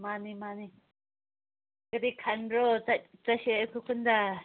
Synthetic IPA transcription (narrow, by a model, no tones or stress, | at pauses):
mãnĩmãnĩ | kat̪ikʰanɾot̪at̪aʃekukund̪a